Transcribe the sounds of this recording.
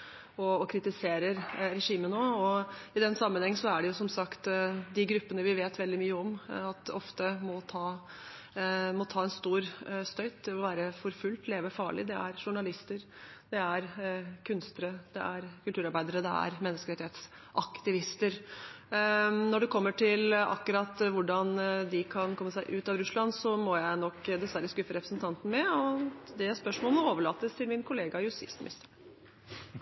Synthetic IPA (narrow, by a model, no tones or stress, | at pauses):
ɔɔkʰɾɪt̪ɪseːɾəɾɾɛʂiːmənoːɔɪd̪ɛnːsɑmːənhɛŋːən̩sɔæɖɛjʊsɔmsɑkt̪d̪ɪɡɾʉpːənəʋɪʋeːt̪ʋɛld̪ɪmyːəɔmɑt̪ɔft̪əmɔt̪ʰɑː | mɔt̪ʰɑːɛnst̪uːɾst̪œʏt̪̚d̪ɛmɔʋæːɾəfɔɾfʉlt̪leːʋəfɑːɭɪ̰d̪ɛæ̰ɾʂʊɳɑlɪst̪əɾd̪̥ɛæɾkʰʉnst̪əɾəd̪̥ɛʔæɾkʰʉlt̪ʉːɾɑɾbæɪd̪əɾəd̪ɛ̰æ̰ɾmɛnːəskəɾɪt̪ɪhet̪s | ʔɑkt̪ɪʋɪst̪əɾ | nɔɖɛkʰɔmːəʈʰɪlɑ̰kːʉɾɑt̪ʋʊɖɑnd̪ɪkʰɑnkʰɔmːəsæɪʔʉːt̪ɑʋɾʉslɑnsɔmɔjæɪnɔkːd̪ɛsʋæɾəskʉfəɾɛpɾəsnt̪ʰɑnt̪n̩mɛɔd̪ɛspœʂmoːləmɔoːʋəɭɑːt̪ːəst̪ʰɪlmɪnkʰʊleːɡɑjʊsɪ̰st̪mɪ̰st̪ʰə